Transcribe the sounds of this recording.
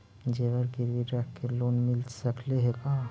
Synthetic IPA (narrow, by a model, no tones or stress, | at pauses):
d͡ʒeːʋəɾɡɪɾʋiʈɾɛːkkeloːnmɪlsɐkleɦekaː